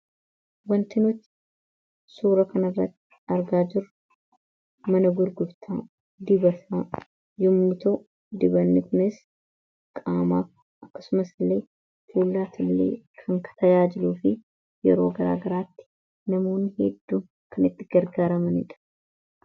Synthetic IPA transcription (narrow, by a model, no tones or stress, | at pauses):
wɐnt̪ɪnʊt̪ː | suːɾɐkɐnɐrːɐt̪ːɪ̥ɐɾɡaːd͡ʒɪɾ | mɐnɐɡʊɾɡʊbt̪ʰa | d̪ɪbɐfɐ | jʊmːʊt̪o | d̪ɪbɐnːɪkʊnɪs | kʼaːma̰ːk | ʔɐkːɐ̥sʊmɐsɪlːe̞ː | fʰuːlːaːt̪ʰɪlːḛːkʰɐŋkʰɐ̥t̪ɐjaːd͡ʒɪluːfɪ | jɛ̰ɾo̞ːɡɐɾa̰ːɡɐɾaːt̪ːɪ̥ | nɐmo̞ːnːɪhɛd̪ːuːm | kʰɐnɪt̪ːɪɡɐɾɡaːɾɐmɐnɪᶑɐ̥